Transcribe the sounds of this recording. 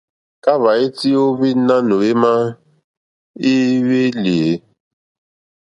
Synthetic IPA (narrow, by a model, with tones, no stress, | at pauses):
ka˦βa˨i˦ti˦o˦βi˦na˦no˨e˦ma˦ | i˦we˦li˨e˨